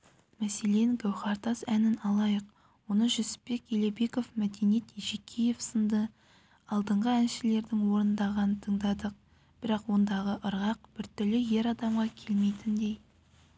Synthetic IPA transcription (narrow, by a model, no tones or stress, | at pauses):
mæse̞le̞ŋɡʲæwχɑɾt̪ɑsænɪnɑlˠɑjəq | wo̞nəʒʏsɪ̥pːe̞kʲjele̞be̞ko̞fmæd̪e̞njet̪iʒekʲʰije̞fsənd̪ə | ɑlˠd̪əɴʁəænʃɪle̞ɾd̪ɪŋwo̞ɾənd̪ɑʁɑnət̪ʰəɴd̪ɑd̪əq̚ | b̥ɪɾɑqwo̞nd̪ɑʁəʔəɾʁɑq̚b̥ɪɾt̪ʰʏlɪje̞ɾɑd̪ɑmʁɑkʲʰe̞lme̞jt̪ɪnd̪e̞j